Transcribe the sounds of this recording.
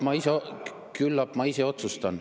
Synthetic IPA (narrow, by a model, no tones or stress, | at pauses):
mɑise | kylːɑpmɑise̞o̞t̪sust̪ɑn